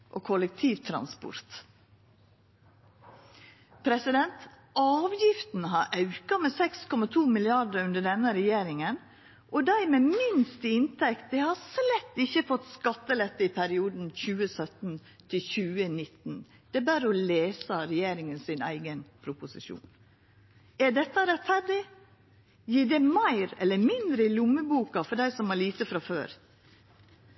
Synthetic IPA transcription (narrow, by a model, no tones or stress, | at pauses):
ʔoːkʰɔlək̚t̪ʰiːʋt̪ʰɾɑ̰nspʊ̰ɾt̪ | pʰɾɛsɪd̪ɛnt̪ | ʔɑːʋjɪft̪n̩ɦɑɾʔɑʉkɑmɛsɛkskʰɔmɑt̪ʰuːmɪlɪɑd̪əɾʉnd̪əɖɛnːəɾɛjeːɾɪŋən | ʔɔd̪æɪmeːmɪnst̪ɪnt̪ʰɛkt̪̚d̪ɛhɑslɛt̪ːɪçəfɔt̪ːskɑt̪ːəlɛt̪ːəɪpʰæɾɪuːd̪n̩çʉːəsœt̪n̩ | t̪ʰɪlçʉːənɪt̪n̩ | d̪̥ɛbæːɾɔleːsəɾɛjeːɾɪŋənsɪnæ̰ɪɡənpʰɾʊpʊsɪʃṵːn | æɖɛt̪ːɑɾɛt̪fæɾɖɪ | jiːdɛmæɪɾɛlːəɾmɪnd̪ɾəɪlʊmːəbuːkɑfɔɖæɪsɔmɑɭiːt̪əfɾɑføːɾ